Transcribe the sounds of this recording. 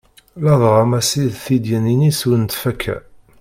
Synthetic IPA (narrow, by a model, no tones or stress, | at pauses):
lɑðˤʁɑmæsiðθid̪jæninisunt̪fækʰːæ̰